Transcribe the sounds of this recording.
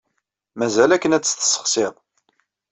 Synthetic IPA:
mæzælækːənæt͡sːθə̥sːə̥χseðˤ

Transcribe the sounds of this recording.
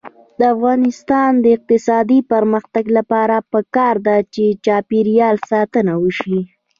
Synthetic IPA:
d̪əafɣɑnɪst̪ɑnd̪əɪq̚t̪ɪsɑd̪ipəɾməxt̪aɡlapɑɾapəkɑɾd̪at͡ʃet͡ʃɑpiɾjɑlsɑt̪ənawəʃi

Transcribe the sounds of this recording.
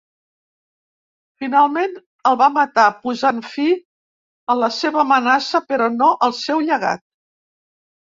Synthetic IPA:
finalˠmen | əlˠβamət̪apuzanfi | ələseβəmənasəpəɾɔnoʔəlˠsɛwʎəɣa̰t̪̚

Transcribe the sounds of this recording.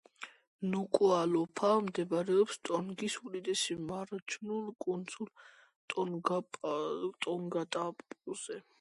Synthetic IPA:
nukʼualɔpʰamd̪ɛbɾɛɔpst̪ʼɔnɡisud̪id̪ɛsimaɾt͡ʃʰunulkʼund̪zul | t̪ʼɔɡa | t̪ʼɔŋɡat̪ʼapʼuz̥ɛ

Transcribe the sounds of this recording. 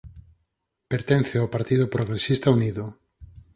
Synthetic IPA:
peɾt̪en̟θeawpaɾt̪ið̞opɾoɣɾesist̪auniðʊ

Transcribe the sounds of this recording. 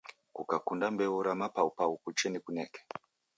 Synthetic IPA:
kukakundambeuɾamapaupaukut͡ʃenekuneke̥

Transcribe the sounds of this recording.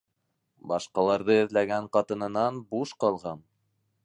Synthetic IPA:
bɑʃqɑlˠɑɾðɤɘ̆ðlæɡæɴqɑt̪ɤ̆nɤ̆nɑnbuʃqɑlˠʁɑn

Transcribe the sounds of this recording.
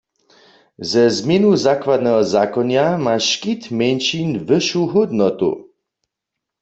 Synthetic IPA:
zɛzmjɛnuzakwad̪nɛɦɔzaːkɔnjamaʃkit̪mɛnʃinvəʃuɦud̪nɔt̪ṵ

